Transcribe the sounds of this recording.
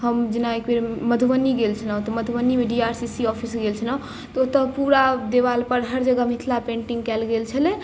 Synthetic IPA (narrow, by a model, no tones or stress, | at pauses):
ɦəmd͡ʒinaekbeɾməd̪ʱubənːiɡelt͡ʃʰələ̃õt̪əməd̪ʱubənːimeɖiaɾsisiɔpʰisɡelt͡ʃʰənə | t̪ot̪əpuɾad̪eʋalpəɾɦəɾd͡ʒəɡamit̪ʰlapẽɳʈiŋɡkɛlɡelt͡ʃʰəle